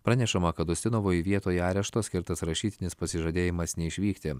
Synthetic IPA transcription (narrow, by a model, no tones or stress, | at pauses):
pɾɐnʲɛʃɐmɐkɐt̪ʊsʲt̪ʲɪnoʋoːjɪʋʲiɛt̪oːjɛɑːɾʲɛʃt̪oːsʲkʲɪɾt̪ɐsɾɐʃʲiːt̪ʲɪnʲɪspɐsʲɪʒoːd̪ʲeːjɪmɐsnʲɛɪʃʲʋʲiːkt̪ʲɪ